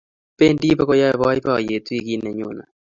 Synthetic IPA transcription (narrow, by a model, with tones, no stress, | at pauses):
pe˦ndi˦pa˦kɔ˦ja˦˨βa˦i˦pa˦˨je˨t̪wi˦ki˦nɛ˨ɲʊ˨na̰˨